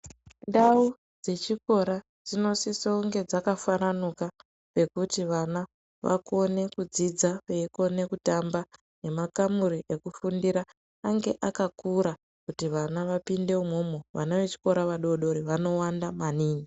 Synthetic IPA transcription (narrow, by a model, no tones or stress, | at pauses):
ndau | d͡ze̞t͡ʃiko̞ɾa | d͡zino̞sisouŋɡe̞d͡zakafananuka | pe̞kutiʋana | ʋa̰ko̞ne̞kud͡zid͡zapeiko̞ne̞kutamba | ne̞makamuɾiʔe̞kufundiɾa | aŋɡe̞ʔakakuɾa | kutiʋanaʋapinde̞umomoʋa̰naʋe̞t͡ʃi̥ko̞ɾaʋaɗo̞ɗo̞ɾiʋano̞wandamaniːni